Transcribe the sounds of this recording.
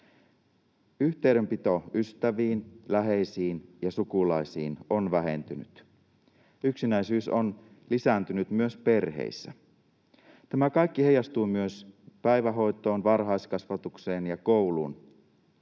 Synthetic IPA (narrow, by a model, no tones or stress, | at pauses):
yht̪ejɾø̞mpit̪o̞yst̪æʋiːnlæɦe̞jsiːnjɑsukulɑisḭːnonʋæɦe̞̰nt̪yny̰t̪ | yksinæjsyːson | lisænt̪ynyt̪myøspe̞rɦḛisːæ̰ | t̪æmækɑjkːihejɑst̪uːmyøspæjʋæɦo̞jt̪ˑo̞ːnʋɑrɦɑiskɑsʋɑt̪ukse̞ːnjɑkoulṵːn